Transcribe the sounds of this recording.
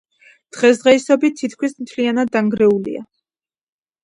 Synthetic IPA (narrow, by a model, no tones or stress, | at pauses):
d̪̥ʁɛsʁɛisɔbit̪ʰːit̪̚ʰkʰwismt̪ʰlianad̪ːaŋɡɾɛulḭa̰